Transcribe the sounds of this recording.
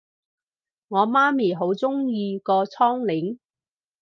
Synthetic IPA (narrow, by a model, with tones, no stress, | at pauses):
ŋɔː˨˧maː˥miː˨˩ɦo˨˥wt͡sʊ˥ŋjiː˧kɔː˧t͡sʰɔː˥ŋlɪ˨˥ŋ